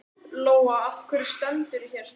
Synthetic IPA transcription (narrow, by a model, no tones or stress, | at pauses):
loːwaafkʰvɛɾɪ̥st̪ɛnt̪ʏɾçɛɾ̥